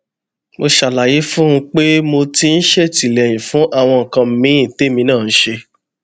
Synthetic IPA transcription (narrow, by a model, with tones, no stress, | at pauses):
mo˧ʃa˨la˨ji˨˦fũ˦ũ˧k͡pe˦mo˧ti˧n̩˦ʃe˦ti˨lɛ˨j̃ĩ˨fũ˨˦ʔa˦˨w̃ɔ̃˧ŋ̩˨kã˧m̩˨˦mĩ˨˦ĩ˦˨te˦mĩ˧˦nãː˦˨n̩˦ʃe˧